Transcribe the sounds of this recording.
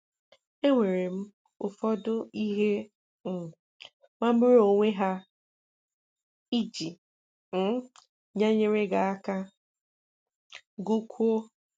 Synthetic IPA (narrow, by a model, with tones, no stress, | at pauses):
e˦ŋʷe˨ɾe˨m̩˦ | ʊ˨fɔ˦dʊ˦i˦ɦe˦˨ | ŋʷa˦m̩˦mɪ˦ɾo˨ŋʷe˦ɦa˦ | i˦d͡ʒi˨˦ | ɲa˦ɲe˦ɾe˦ɡa˨a˦ka˦ | ɡu˦kʰʷu˦o˦